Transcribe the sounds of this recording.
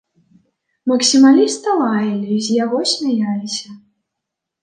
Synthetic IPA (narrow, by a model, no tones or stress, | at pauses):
mɐksʲimalʲist̪ɐlˠajɐlʲizʲjaɣɔsʲmʲajalʲisʲɐ